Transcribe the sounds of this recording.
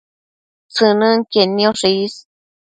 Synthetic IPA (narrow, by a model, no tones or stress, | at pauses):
t͡sɨnɨ̃ŋkenĩoʂis